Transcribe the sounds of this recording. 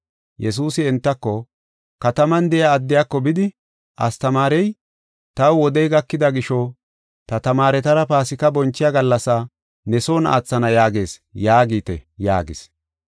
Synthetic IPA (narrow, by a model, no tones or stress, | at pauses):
jɛs̬uːsɪɛnt̪ːɐkːɔ | kɐt̪ɐmɐnd̪ɛjaːd̪ːɪjakːɔbɪd̪ɪ | ʔɐst̪ɐmaːɾɛj | t̪ɐwwɔd̪ɛjɡɐkːɪd̪ɐɡɪʃɔ | t̪ɐt̪ɐmaːɾɛt̪ɐɾɐpaːsɪkɐbɔnt͡ʃːɪjaɡɐlːɐsa | nɛsoːna̰ːt͡sːɐnɐjaːɡe̞ːsjaːɡiːt̪ɛ̰ja̰ːɡɪs